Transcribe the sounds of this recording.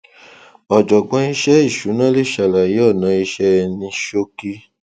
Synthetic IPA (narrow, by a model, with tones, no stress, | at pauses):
ɔ˨d͡ʒɔ˨ɡ͡bɔ̃˧i˧ʃɛ˦i˦˨ʃu˨˦nã˦le˦˨ʃa˨la˨je˨˦ɔ˦˨nã˨˧i˧ʃɛ˧nĩ˧ʃo˦ki˦